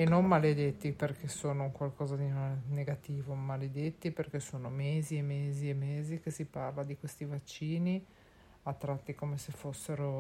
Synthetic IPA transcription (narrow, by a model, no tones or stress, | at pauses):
enommaled̪et̪ːiperkesoːnouŋkwalkɔːzad̪inneɡat̪iːvomaled̪et̪ːiperkesoːnomeːziemːeːziemːeːzikesiparlad̪ikwest̪ivat͡ʃːiːni | at̪ːɾat̪ːikomesefosːeɾo